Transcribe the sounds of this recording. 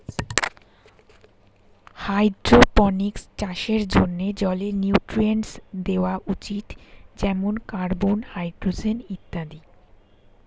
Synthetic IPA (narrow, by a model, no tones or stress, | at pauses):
hajd̪ɾopɔnikst͡ɕaʃeɾd͡ʑonːed͡ʑɔlenjiuʈɾieɳsd̪eoaʔut͡ɕit̪d͡ʑɛmonkaɾbonhajd̪ɾod͡ʑenit̪ːad̪i